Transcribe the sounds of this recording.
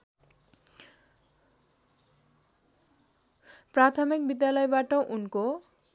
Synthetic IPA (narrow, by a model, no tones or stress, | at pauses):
pɾat̪ʰomik̚bid̪ːjalɔjbaʈoʔunko